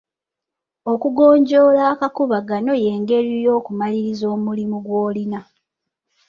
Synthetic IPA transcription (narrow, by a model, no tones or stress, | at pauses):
o̞kuɡo̞ːɲɟo̞ːlaːkakuβaɡano̞je̞ːŋɡe̞ɾijo̞ːkumaliɾizo̞ːmulimuɡwo̞ːlina